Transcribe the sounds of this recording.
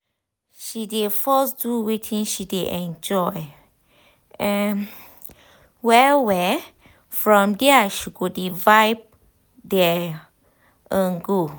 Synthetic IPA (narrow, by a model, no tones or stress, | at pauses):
ʃidefɔs̬duwetʰĩŋʃideʔɛ̃nd͡ʒɔj | ɛ̃n | wɛwɛ | fɹɔ̃mdɛaʃiɡodivaɪb̚ | dɛ | ʔə̃nɡo